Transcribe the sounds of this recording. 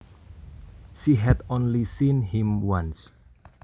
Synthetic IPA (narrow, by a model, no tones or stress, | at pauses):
ʃiɦɛd̪onlisinhĩmwãns